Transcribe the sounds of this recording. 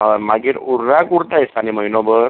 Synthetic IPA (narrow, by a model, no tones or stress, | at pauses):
əmaɡiːɾuɾːakuɾt̪ajsanim̤əinɔbəɾ